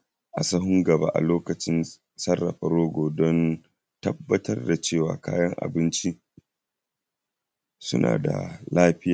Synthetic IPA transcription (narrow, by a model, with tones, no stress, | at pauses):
ʔa˨sɐ˦ɦʊ˦ŋɡɐ˨ba̰˦ʔa̰˨loː˦kɐ˨t͡ʃɪ˦n | sɐ˦rːɐ˨ɸɐ˨ɾoː˦ɡʷoː˨dɔ˦n | tɐ˦bːɐ˦tɐ˦rda˨t͡ʃeː˦˨wa̰ː˨kaː˦jɐ˦ŋʔa̰˨bɪ˦nt͡ʃi˦ | sʊ̰˦na̰ː˨da̰˨laː˦ɸɪ˦jaː˨